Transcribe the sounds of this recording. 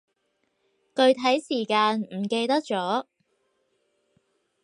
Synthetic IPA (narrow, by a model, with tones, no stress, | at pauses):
kɵ˧ɥt̪ʰɐ˨˥jsiː˨˩kaː˧nm̩˨˩ke˧jt̪ɐ˥k̚t͡ʃɔː˨˥